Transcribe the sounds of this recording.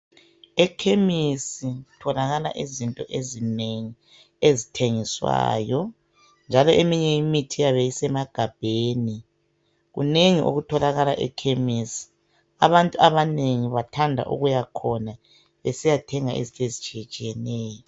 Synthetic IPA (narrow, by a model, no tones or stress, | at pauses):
ɛkʰemisitʰɔlaɣala̰ʔizintʼɔ̰ʔezineŋi | ezitʰeŋiswa̰ːjɔ | nd͡ʒʱalɔʔemiɲɛimitʰijaβɛjisɛmaɡ̥ʱab̥ʱeːni | ɣṵneŋiʔo̰ɣutʰɔlaɣalaʔɛ̰kʰemisi̥ | a̰βantʼuaβaneŋiβatʰandʱa̰ʔṵɣujakʰɔna | βesijatʰɛŋaʔḭzintʼezit͡ʃʼijɛt͡ʃʼijɛnɛːjɔ